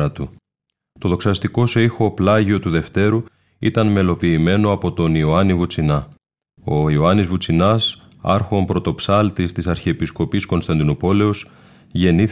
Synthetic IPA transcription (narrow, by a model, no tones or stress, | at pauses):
ɐt̪u | t̪o̞ðo̞ksɐst̪iko̞seixo̞plɐʝio̞t̪uðe̞ft̪e̞ɾu | it̪ɐnme̞lo̞piːme̞no̞ɐpo̞t̪o̞nioɐnivut͡sinɐ | o̞ioɐnizvut͡sinɐs | ɐ̰ɾxo̞mpɾo̞t̪o̞psɐlt̪ist̪isɐɾçiepisko̞pisko̞nst̪ɐnd̪inupo̞le̞os | ʝe̞niθ